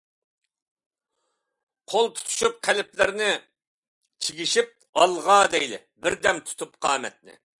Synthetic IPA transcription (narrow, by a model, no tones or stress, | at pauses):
qʰolˠt̪ʰu̥t̪ʰu̥ʃyp̚qʰælɪplɪɾnɪ | t͡ʃʰiɡʲiʃip̚ | ɑlˠʁɑd̪ɛjlɪ̰ | bɪɾd̪ɛmt̪ʰu̥t̪ʰupqʰɑːmɛt̪̚nɪ̰